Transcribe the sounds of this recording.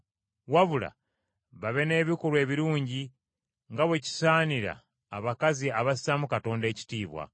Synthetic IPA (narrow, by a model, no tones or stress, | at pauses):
waβula̰ | βaβe̞ne̞ːβikolwe̞ːβiɾuːɲɟi | ŋɡaβwe̞ci̥saːniɾa̰ː | βakaziaβasi̥samukato̞ːnde̞ːci̥tiːβwa̰